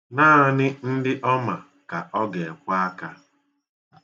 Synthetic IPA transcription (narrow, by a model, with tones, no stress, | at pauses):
naː˦nɪ˦n̩˦dɪ˦ʔɔ˦ma˨ | ka˨ʔɔ˦ɡe˨kʷa˦ka˦